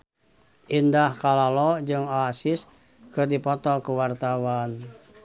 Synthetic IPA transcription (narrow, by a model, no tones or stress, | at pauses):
ʔindahkalalɔd͡ʒɨŋasis | kɨrdipɔt̪ɔkuwart̪awan